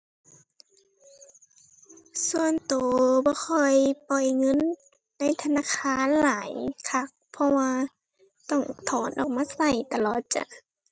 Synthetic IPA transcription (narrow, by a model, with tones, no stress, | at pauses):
su˧ənt̪oː˨˦bɔː˧˦xʰɔ˧˩jpɔ˨˩jŋɤ˧˥˨nː | a˧˥˨jt̪ʰa˧naː˧˥˨kʰaː˧˥˨nlaː˨˦jkʰa˧˩k̚pʰɔ˧waː˧ | t̪ɔ˧˩ŋt̪ʰɔː˨˦nʔɔː˧˩maː˧˥˨sa˧˩jt̪a˧˨lɔː˨˩t̪̚t͡ɕa̰˧˨